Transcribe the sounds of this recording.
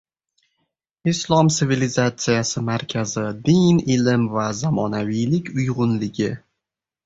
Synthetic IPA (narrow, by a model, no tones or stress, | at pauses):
ɪslˠɒmt̪ɪvilɪzat̪sɨjasɪmaɾkʲʰazɪd̪ɪnɪlɪmvazamɒnavijlɪkʲʰʊjʁʊnlɪɡʲɪ